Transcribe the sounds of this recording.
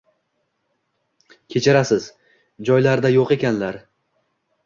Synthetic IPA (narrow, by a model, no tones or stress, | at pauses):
kʲʰe̞t͡ʃʰɪɾasɪz̥ | d͡ʒɒjlaɾd̪ajoqe̞kʲanlaɾ